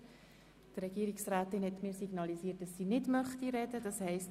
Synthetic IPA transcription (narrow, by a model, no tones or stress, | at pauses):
tɾɛɡ̥iːɾiksræːtɪnhɛtmɪːɾsiɡ̥nɑliziːt̚d̥ɑsːiːnɪdmœχtiɾɛdəd̥ɑshɛɪst